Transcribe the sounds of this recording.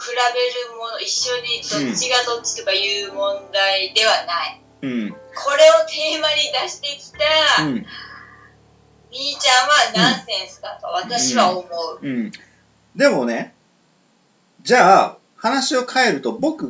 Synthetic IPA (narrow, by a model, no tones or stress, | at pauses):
kɯ̟ɾabe̞ɾɯ̟mo̞no̞iɕːo̞ɲ̟id̪ot͡ɕiɡat̪o̞t͡ɕi̥t̪o̞kajɯ̟ːmõ̞nd̪aid̪e̞βanai | ɯ̟̃ɴkʰo̞ɾe̞o̞t̪ʰe̞ːmaɲ̟id̪aɕi̥t̪e̞kʲi̥t̪aɯ̃ | mʲiːt͡ɕãɰ̃βanãɰ̃sẽ̞ɰ̃sɨ̥d̪at̪o̞βat̪aɕiβaomo̞ɯ̟ɯ̃ | d̪e̞mo̞ne̞ | d͡ʑaː | hanaɕio̞kʰae̞ɾɯ̟t̪o̞bo̞kɯ̟